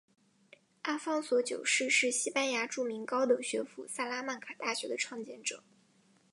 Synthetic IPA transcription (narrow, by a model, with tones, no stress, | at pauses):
a˥fɑ˥ŋswɔ˧˥t͡ɕjo̰˨˩ʊʂɻ̩˥˧ʂɻ̩˥˩ɕi˥pa˥nja˧˥ʈ͡ʂu˥˩mi˧˥ŋkɑ˥ʊd̪ɤ˨˩ɕɥɛ˧˥fṵ˨˩sa˥˩la˥ma˥˩nkʰa˨˩t̪a˥˩ɕɥɛ˧˥d̪ə˧ʈ͡ʂʰwɑ˥˧ŋt͡ɕjɛ˥nʈ͡ʂɤ˨˩˦ŋ